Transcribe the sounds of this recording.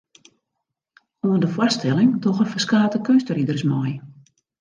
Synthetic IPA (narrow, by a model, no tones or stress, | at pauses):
oəndəfwastɛlˠɪŋdɔxəfəskaːtəkønstəridərsmɔj